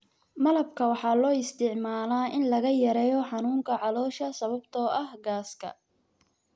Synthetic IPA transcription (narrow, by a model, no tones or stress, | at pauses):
mɐlɐb̚kʰɐwɑħɑːlɔːɪst̪ʰɪʕmaːlaːʔɪnlɐɣɐjɐɾɛːjɔħɑnuːŋkʰɐʕɑlɔːʃɐsɐβɐbt̪ʰɔːʔɐhɡaːskʰɐ̰